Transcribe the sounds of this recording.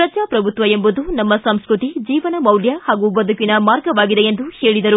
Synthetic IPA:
ɾɐd͡ʒaːpɾɐbʱut̪ʋɐembud̪unɐmːɐsɐmskɾut̪id͡ʒiːʋɐnɐmɐwljɐhaːɡubɐd̪ʱukinɐmaːɾɡɐʋaːɡid̪eend̪uheːɭid̪ɐɾu

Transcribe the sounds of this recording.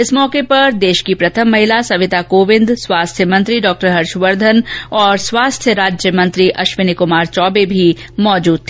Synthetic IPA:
ɪsmɔːkepɐɾd̪eːʃkipɾɐt̪ʰəmːɐɦɪlasɐʋɪt̪akoːʋɪ̃nd̪swaːst̪ʰjəmɐ̃nt̪ɾiɖɔːk̚ʈəɾɦɐɾʃʋɐɾd̪ʱənɔːɾswaːst̪ʰjəɾaːd͡ʒjəmɐ̃nt̪ɾiʔɐʃʋɪnikʊmaːɾt͡ʃɔːbebʱimɔːd͡ʒuːd̪̚t̪ʰiː

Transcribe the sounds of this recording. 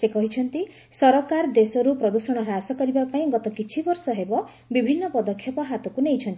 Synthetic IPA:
sekɔɦit͡ʃʰɔnt̪i | sɔɾɔkaɾd̪esɔɾupɾɔd̪usɔɽ̃ɔɾɔasɔkɔɾibapaĩɡɔt̪ɔkit͡ʃʰibɔɾsɔɦebɔ | bibʱinːɔpɔd̪ɔkʰːjɔpɔɦat̪ɔkunejt͡ʃʰɔnt̪i

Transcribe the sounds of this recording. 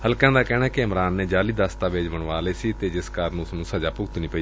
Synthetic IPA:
həlkãːd̪aːkɛːnaːkɪəmɾaːnːeːd͡ʒaːliːd̪aːst̪aːʋeːd͡ʒbəɳʋaːleːsiːt̪eːd͡ʒɪskaɾnũːsnũːsəd͡ʒaːpʊɡt̪nĩːpəiː

